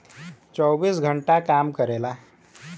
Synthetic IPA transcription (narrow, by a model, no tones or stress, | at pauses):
t͡sɔwbiːsɡʱəɳʈakamkəɾela